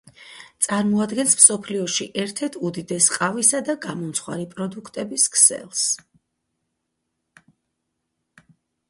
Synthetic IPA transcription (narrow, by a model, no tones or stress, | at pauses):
t̪sʼaɾmɔad̪ɡɛnsmsɔpʰliɔʃiʔɛɾt̪ʰɛɾt̪ʰud̪id̪ɛsqʼavisad̪aɡamɔmt̪sʰχwa̰ɾipʼɾɔd̪ukʰt̪ʼɛbiskʰsɛ̰lˠs